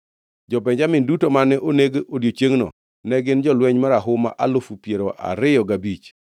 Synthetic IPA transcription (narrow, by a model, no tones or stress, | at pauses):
d͡ʒɔpɛɲd͡ʒamɪndutomanɛʔoneɡodjot͡ʃeŋnɔ̰ | nɛɡɪnd͡ʒɔlwɛɲmaɾaɦʊma̰ʔalʊfupjeɾoʔa̰ɾɪjɔɡabit͡ʃ